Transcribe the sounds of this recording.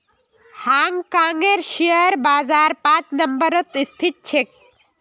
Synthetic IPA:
haŋɡkaːŋeɾʃejəɾbaːzaːɾpãt͡ʃnəmbəɾɔt̪ist̪ʰit̪̚t͡ʃʰek̚

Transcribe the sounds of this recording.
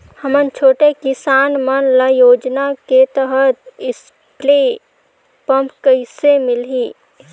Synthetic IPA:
həmənt͡ʃʰoːʈekɪsaːnmənləjoːd͡ʒnaket̪əɦət̪ɪs | ple | pəmpkəɪsemɪlɦiː

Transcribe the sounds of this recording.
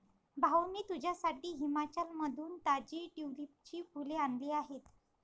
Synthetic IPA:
bʱawniːt̪ud͡ʑʱjasaʈiːɦimat͡ɕalməd̪ʱuːnt̪ad͡ʑiːʈiʋlip̚t͡ɕiːkuleanliːaɦet̪

